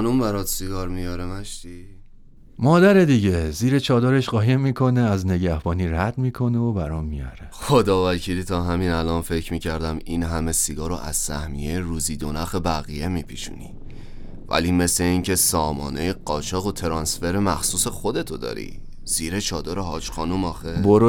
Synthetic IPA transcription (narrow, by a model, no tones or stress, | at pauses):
numbæɾɒːt̪siɡɒːɾmijɒːɾemæʃt̪i | mɒːd̪æɾe̞d̪iːɟe̞ziːɾet͡ʃʰɒːd̪ɒːɾeʃɢɒːjemːiːkʰo̞ne̞æzne̞ɟæhb̥ɒːniːɾæd̪miːkʰo̞ne̞obæɾɔmːijɒ̰ɾexod̪ɒːvæcʰiːliːt̪ʰɒːɦæmiːnælɒnfe̞cʰmiːcʰæɾd̪æmiːnɦæme̞siɡɒːɾo̰ʔæ̰z̥sæ̰hmijejeɾuːziːd̪onæxebæɣije̞miːpʰiʃṵnḭ | væ̰liːme̞sle̞iːŋcʰe̞sɒːmɒ̰ːnejeɢɒːt͡ʃʰɒːɣot̪ʰe̞ɾɒːnsfe̞ɾemæxsuːse̞xo̞d̪e̞t̪ʰod̪ɒ̰ːɾḭ | z̥iːɾet͡ʃʰɒːd̪ɒːɾeɦɒːt͡ʃxɒːnumɒːxeboɾo